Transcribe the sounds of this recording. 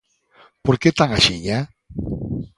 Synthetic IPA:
poɾket̪aŋaʃiʎa

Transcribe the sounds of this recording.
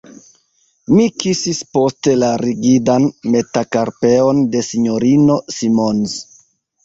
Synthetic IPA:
mikisispo̞ste̞laɾiɡidanme̞takaɾpe̞o̞nde̞siɲo̞ɾino̞simonz

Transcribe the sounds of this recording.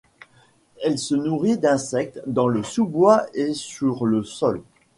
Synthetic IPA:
ɛlsənuʁid̪ɛ̃sɛk̚t̪d̪ɑ̃ləsubwaesyʁləsɔl

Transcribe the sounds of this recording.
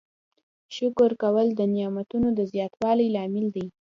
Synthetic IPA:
ʃʊkʊɾkawəld̪ənjɑmat̪unod̪əzjɑt̪wɑlajlɑmɪld̪i

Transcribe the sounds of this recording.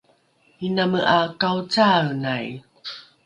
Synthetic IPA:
inaməʔakawt͡sawnaj

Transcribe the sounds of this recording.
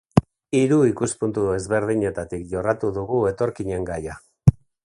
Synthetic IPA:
iɾuikuspunt̪ue̞zβe̞ɾðiɲe̞t̪at̪ikʝo̞rat̪uðuɣue̞t̪o̞ɾkiɲe̞ŋɡaja

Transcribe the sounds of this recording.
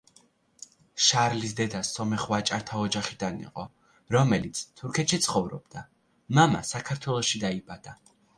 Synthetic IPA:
ʃaɾlis̬d̪ɛd̪asɔmɛχwat͡ʃʼaɾt̪ʰaɔd͡ʒaχid̪anḭqʼɔ | ɾɔmɛlit̪sʰt̪ʰuɾkʰɛt̪ʃit̪sʰχɔvɾɔ̰b̚d̪a | mama̰sakʰaɾt̪ʰwɛlˠɔʃid̪aibad̪̥a

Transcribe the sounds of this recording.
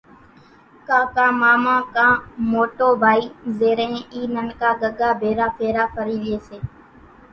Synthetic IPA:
kãːkãːmaːmãːkãːmoːʈoːbʱaːiːzeːɾẽːiːnənkaːɠəɠaːbʱeːɾaːpʰeːɾaːpʰəɾiːʋɪeːseː

